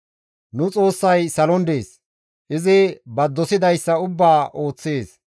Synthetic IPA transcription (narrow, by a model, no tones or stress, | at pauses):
nʊt͡sʼo̞ːsːɐjsɐlɔnd̪e̞ːs | ʔɪzɪbɐd̪ːɔsɪd̪ɐjsːɐʊbːaːʔo̞ːt͡sːeːs